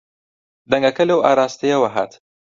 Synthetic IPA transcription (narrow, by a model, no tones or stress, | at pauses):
d̪ɐŋɡɐkɐlɐwaːɾaːst̪ɐjɐwɐɦa̰ːt̪